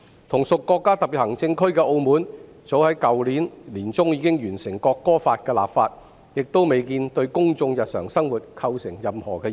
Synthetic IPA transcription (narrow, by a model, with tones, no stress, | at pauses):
t̪ʰʊ˨˩ŋsʊ˨kːɔː˧kːaː˥t̪ɐ˨pi˨˩thɐ˨˩ŋt͡sɪ˧ŋkʰɵ˥ɥkɛː˧ʔo˧wmuː˨˥n | t͡so˨˥whɐ˨˥jkɐ˨wliː˨˥nliː˨˩nt͡sʊ˥ŋjiː˨˧˥kɪ˥ŋjyː˨˩nsɪ˨˩ŋkɔː˧kːɔː˥faː˧t̚kɛː˧la̰ː˨pfaː˧t̚ | jɪ˨k̚t̪o˥wme˨˧jkiː˧nt̪ɵ˧ɥkʊ˥ŋt͡sʊ˧ŋjɐ˨t̚sœː˨˩ŋsɐ˥ŋwuː˨˩t̚kʰɐ˧wsɪ˨˩ŋjɐ˨mhɔː˨˩kɛː˧